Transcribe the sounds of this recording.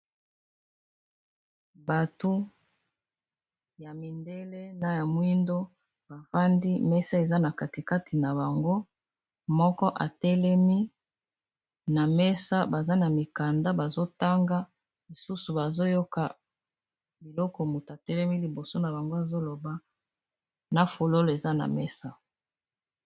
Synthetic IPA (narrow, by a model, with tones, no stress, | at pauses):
ba˨tu˦ | ja˨mi˨nde˦le˦na˨ja˨mwi˦ndo˦ | ba˨fa˦ndi˦mɛ˦sa˦e˨za˦na˨ka˨ti˨ka˦tʰi˨na˨ba˨ŋɡo˦ | mɔ˦kɔ˦ʔa˨tɛ˦lɛ˦mi˦ | na˨mɛ˦sa˦ba˨za˦na˨mi˨ka˨nda˦ba˨zo˦ta˦ŋɡa˦ | li˨su˦su˨ba˨zo˦jo˦ka˨ | bi˨lɔ˦kɔ˨mu˨ta˨tɛ˦lɛ˦mi˦li˨bo˨so˦na˨ba˨ŋɡo˦a˨zo˦lo˨ba˦ | na˨fo˨lo˦lo˨e˨za˦na̰˨mɛ˦sa˦